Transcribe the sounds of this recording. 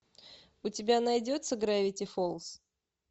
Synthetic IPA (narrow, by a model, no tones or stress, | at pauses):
ʊtʲɪbʲanɐjdʲot̪səɡɾavʲɪtʲɪfolˠs